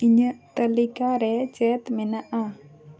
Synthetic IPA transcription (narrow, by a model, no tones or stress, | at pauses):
iɲəʔt̪əlikaɾɛt͡ʃɛt̪mɛnaʔa